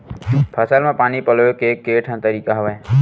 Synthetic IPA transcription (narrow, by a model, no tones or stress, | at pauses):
pʰəsalmãpaːnipəlʋokekːeʈʰə̃nt̪əɾikaɦəʋaj